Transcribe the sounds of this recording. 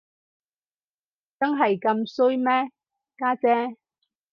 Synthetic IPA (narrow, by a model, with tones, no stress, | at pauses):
t͡sɐ˥ŋɦɐ˨jkɐ˧msɵ˥jmɛː˥ | kaː˥t͡sɛː˥